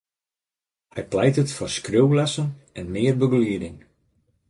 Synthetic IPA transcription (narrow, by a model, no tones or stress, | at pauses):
hɛjplɛjtətfʊrskrøwlɛsənɛnmɪərbəɡliədɪŋ